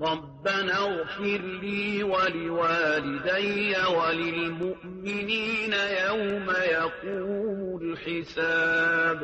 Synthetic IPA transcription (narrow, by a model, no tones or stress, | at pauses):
ɾˤɑbːanaɣfɪɾliːwalɪwaːlɪd̪ajːawalɪlmʊʔ | mɪniːnajawmajaquːmʊlħɪsaːb